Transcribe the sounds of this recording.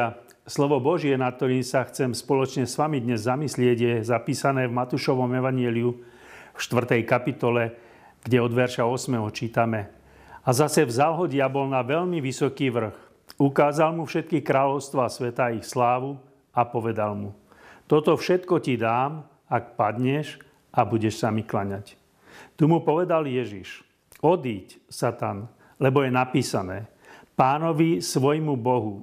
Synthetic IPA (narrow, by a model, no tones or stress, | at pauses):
a | slɔʋɔbɔʒɪɛnat̪̚t̪ːɔɾiːmsaxt͡sɛmspɔlɔt͡ʃɲɛsʋamid̪ɲɛzːamislɪɛɟjɛzapiːsanɛːvmat̪uʃɔʋɔmɛʋaɲɪɛliu | fʃt̪ʋr̩t̪ɛjkapit̪ɔlɛ | ɡ̥ɟɛɔd̪ʋɛɾʃaɔsmɛɦɔt͡ʃiːt̪amɛ | azasɛvzalɦɔɟɪjabɔlnaʋɛʎmiʋisɔkiːʋr̩x | ukaːzalmufʃɛt̪̚kixkɾaːlɔʊst̪ʋaːsʋɛt̪aixslaːʋu | apɔʋɛd̪almu | t̪ɔt̪ɔfʃɛt̪kɔcid̪aːm | ak̚pad̪ɲɛʃ | abuɟɛʃsamiklaɲac | t̪umupɔʋɛd̪aljɛʒiʃ | ɔd̪iːcsat̪an | lɛbɔjɛnapiːsanɛː | paːnɔʋisʋɔjmubɔɦu